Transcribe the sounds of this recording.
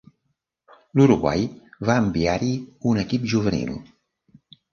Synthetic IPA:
luɾuɣwa̰jβaəmbiaɾiunəkipʒuβənḭlˠ

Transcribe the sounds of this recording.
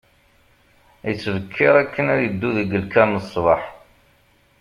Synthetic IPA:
jət͡sːvəkʰːɪɾˤækːənæɾjəd̪ːuðəɡəlkænəsˤvɑħ

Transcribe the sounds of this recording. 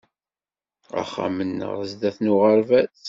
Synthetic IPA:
a̰χːa̰mənːə̰ʁəzd̪æθnʊʁəɾvæθ

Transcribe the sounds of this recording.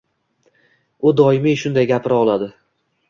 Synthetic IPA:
ʊd̪ɒɪmiʃʊnd̪ajɡʲapʰɪɾɒlˠad̪ɪ

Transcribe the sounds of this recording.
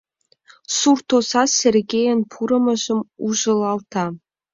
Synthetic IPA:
surt̪osɑsʲerɡʲejɘ̆npʰuɾɤ̆mɤ̆ʑə̆muʒɤ̆lˠɑlˠt̪ʰɑ

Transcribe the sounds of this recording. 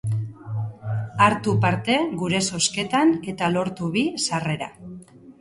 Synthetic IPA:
aɾt̪upaɾt̪e̞ɣuɾe̞so̞ske̞t̪ane̞t̪alo̞ɾt̪uβisare̞ɾa̰

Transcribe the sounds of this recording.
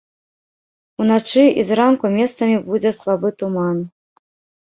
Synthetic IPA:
unat͡ʂɨizɾankumʲɛst̪sɐmʲibud͡zʲɛslˠabɨt̪uman

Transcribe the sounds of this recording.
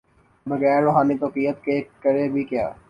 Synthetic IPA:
bəɣɛːɾːoːɦaːniːt̪oːqiːjət̪kekəɾebʱikja̰ː

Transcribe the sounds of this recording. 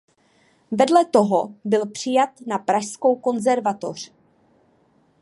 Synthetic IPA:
vɛdlɛt̪o̞ɦobɪlpr̝̥ɪjat̪napɾaʃsko̞wko̞nzɛɾvat̪o̞̰r̝̥

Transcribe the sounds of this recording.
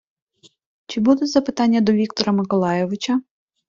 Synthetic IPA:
t͡ʃɪbud̪ɛzɐpɪt̪ɑnʲːɐd̪ɔʋʲikt̪ɔɾɐmɪkɔlˠɑjɛʋɪt͡ʃɐ

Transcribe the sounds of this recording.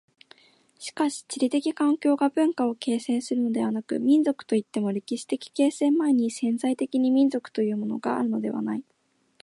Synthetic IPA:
ɕi̥kaɕi̥t͡ɕiɾʲit̪e̞kʲikãŋkʲo̞ːɡabɯ̟̃ŋkao̞ke̞ːsẽ̞ɰ̃sɨɾɯ̟no̞d̪e̞βanakɯ̟̰mʲĩnzo̞kɯ̥t̪o̞it̪ːe̞mo̞ɾʲe̞kʲiɕi̥t̪e̞kʲi̥ke̞ːsẽ̞mmaeɲ̟isẽ̞nzait̪e̞kʲiɲ̟imʲĩnzo̞kɯ̟̥t̪o̞jɯ̟ːmo̞no̞ɡaa̰ɾɯ̟no̞d̪e̞βa̰nai

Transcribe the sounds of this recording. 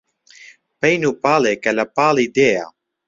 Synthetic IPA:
pɛjnupalekɛlapalid̪ea̰

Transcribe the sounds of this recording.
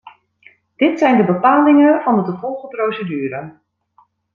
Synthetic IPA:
d̥ɪtsɛjndəbəpaːlɪŋənvɑndətuvɔlˠχəprowsədyːɾə

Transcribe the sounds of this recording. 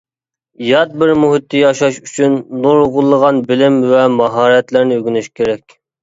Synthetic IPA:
jɑt̪̚bɪɾmuɦit̪ʰːɨjɑʃɑʃyt͡ʃʰynːuɾʁʊlˠːəʁɑnbɪlɪmvɛmɑɦɑːɾɛt̪læɾnɪøɡʲynyʃkʲʰeɾɛkʲ

